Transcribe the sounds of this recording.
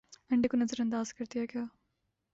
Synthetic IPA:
ɐɳɖekunɐzəɾɐnd̪aːzkɐɾt̪ijakjaː

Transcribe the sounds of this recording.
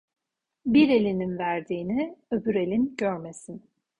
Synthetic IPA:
biɾe̞lʲininvæɾd̪iːniøbyɾe̞lʲinɟøɾmesin

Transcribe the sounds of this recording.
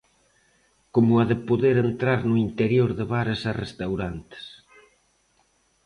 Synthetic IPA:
komʊaðepoðeɾent̪ɾaɾnʊint̪eɾjoɾðeβaɾesarest̪awɾant̪ɪ̥s

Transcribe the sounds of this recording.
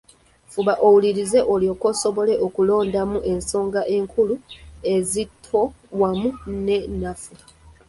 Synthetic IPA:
fuβaʔo̞wuliɾize̞ʔoljo̞ːko̞ːso̞βo̞le̞ʔo̞kulo̞ːndamuʔe̞nso̞ːŋɡaʔe̞ːŋkʰulue̞zitʰwo̞ | wamune̞nafu

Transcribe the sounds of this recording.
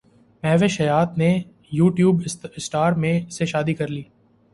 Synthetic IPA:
mɛɦʋeʃɐjaːt̪ne | juːʈjuːbɪsʈaːɾmẽseʃaːd̪ikɐɾliː

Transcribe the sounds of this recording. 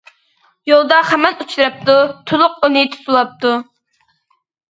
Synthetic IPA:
jolˠd̪ɑχæmɛnut͡ʃʰɾɑp̚t̪ut̪ʰulˠʊq̚ːunɨt̪ʰu̥t̪ulˠɑp̚t̪u

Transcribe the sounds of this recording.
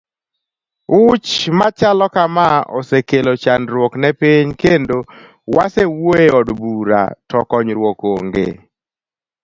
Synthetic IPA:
ʊt͡ʃmat͡ʃalɔkamaɔ̰sekelot͡ʃanɾwɔknɛpiɲkendo | wasewoeɔdbuɾa̰tɔkɔɲɾwɔkoŋɡḛ

